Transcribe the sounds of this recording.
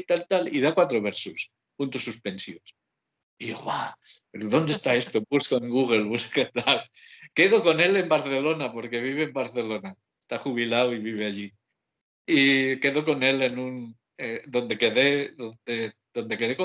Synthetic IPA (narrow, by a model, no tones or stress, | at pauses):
t̪alt̪alḭðakwat̪ɾoβ̞eɾsus | punt̪usːuspe̞nsiβos | io̰βapeɾoðo̞nd̪e̞st̪ae̞st̪obuskoeŋɡuɣ̞e̞lβusket̪alke̞ðoko̞ne̞le̞mbaɾθe̞lo̞napo̞ɾke̞β̞iβeːmbaɾθe̞lo̞na | est̪axuβ̞ilawiβiβe̞aʎi | ike̞ðoko̞ne̞le̞nũn | ed̪o̞nd̪e̞ke̞ðe̞ðond̪e | ðo̞nd̪e̞ke̞ðeko